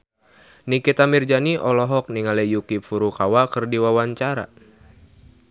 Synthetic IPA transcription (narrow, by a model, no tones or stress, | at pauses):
nikit̪amird͡ʒaniʔɔlɔɦɔk̚niŋalɛjukipfuɾukawakɨrdiwawaɲt͡ʃaɾa̰